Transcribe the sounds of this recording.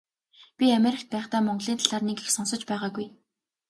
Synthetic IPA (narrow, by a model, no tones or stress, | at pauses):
pʲiameɾʲɪ̆kt̪̚pæːχt̪aːmɔɴɢɮiːnt̪ʰaɮaːrnekexsɔnsɞ̆t͡ɕpæːʁaːɡuj